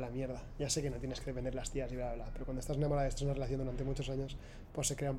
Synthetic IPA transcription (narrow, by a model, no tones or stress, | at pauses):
lamjeɾðaɟ͡ʝase̞ke̞no̞t̪jenekeðefeneɾlast̪iasiβelaβlapeɾokwandoest̪asenamoaðest̪asunarelaθjond̪uɾant̪e̞mut͡ʃo̞saɲo̞s | po̞sːe̞kɾe̞aum